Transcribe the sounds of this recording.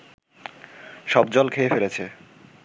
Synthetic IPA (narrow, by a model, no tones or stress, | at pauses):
ʃɔb̚d͡ʑɔlkʰeefelet͡ɕʰe